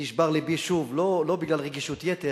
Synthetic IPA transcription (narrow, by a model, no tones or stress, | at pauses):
iʃbaʁlebiʃuvlolo̞biɡlalʁeɡiʃut̪jet̪e